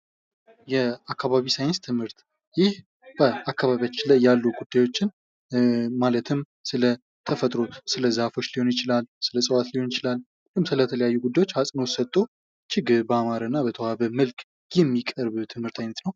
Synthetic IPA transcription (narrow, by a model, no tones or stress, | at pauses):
jɛakːaβaβisajɪnst̪ʰɨmhɨɾt̪ | jɪh | b̥əakːaβaβijat͡ʃːɪlajːalːuɡud̪ːajwo̞t͡ʃːɪn | malət̪ʰɨm | sɨlə | t̪ʰəfət̪ʼɾosɨləzafo̞t͡ʃːliho̞njɪt͡ʃɪlalːsɨləsʼəwat̪liho̞njɪt͡ʃɪlalː | lɨmsɨlət̪ʰələjajːuɡud̪ajwo̞t͡ʃːhasʼnosət̪ʼːo | t͡ʃɪɡɨɾbəamaɾənːabət̪ʰəwaβəməlkʼ | jɛmːikʼəɾβt̪ʰɨmhɨɾt̪ʰajnət̪nəw